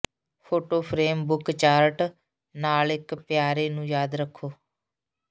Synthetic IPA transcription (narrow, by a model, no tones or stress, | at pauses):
pʰoːʈoːpʰɾeːmbʊkt͡ʃaːɾʈ | naːlɪkpjaːɾeːnũːjaːd̪ɾəkʰːoː